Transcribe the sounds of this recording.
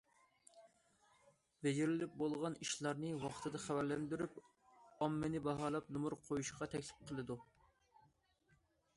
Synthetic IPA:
ved͡ʒɪɾɪlɪp̚bolˠʁɑniʃlˠɑɾnɨwɑχt̪ʰɨd̪ɑχæwæɾlɛnd̪yɾyp | ɑmːɪnɪbɑɦɑːlˠɑp̚nɨmuɾqʰojuʃʁɑt̪ʰɛkʲsɪ̥p̚qʰəlˠɨd̪u

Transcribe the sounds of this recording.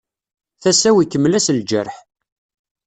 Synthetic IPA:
θæsæwikːəmːlæsld͡ʒə̰ɾħ

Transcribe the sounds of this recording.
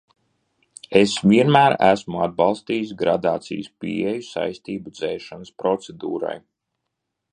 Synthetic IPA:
esvʲiɛnmæːɾæsmuad̪̚bɑlˠst̪iːsɡɾa̰d̪aːt̪sḭːjspḭejusa̰jst̪iːbud̪zɛːʃanəspɾɔt̪sed̪ṵːɾa̰j

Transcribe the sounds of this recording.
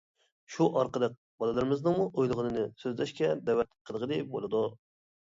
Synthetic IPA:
ʃuʔɑɾqəd̪ɨk̚ʲ | bɑlˠɨlˠɨɾmɪznɨmuʔojlˠɨʁənɨnɪsøzlæʃkʲɛd̪ɛwɛt̪ʲqʰəlˠəʁəd̪ep̚bo̰lˠɨd̪u

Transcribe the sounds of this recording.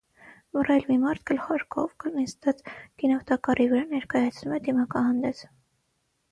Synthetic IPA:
mərɑlmimɑɾt̪̚kəlχɑɾkʰɔ̰vkəlnist̪ɑt̪kinɑvt̪ɑkɑrivəɾɑnɛɾkɑjɑt͡sʰnumɛd̪imɑkɑɦɑnd̪ɛt͡s

